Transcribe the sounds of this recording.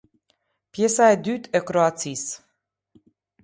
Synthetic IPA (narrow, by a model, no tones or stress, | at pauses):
pjesaed̪yt̪ekɾoat̪sis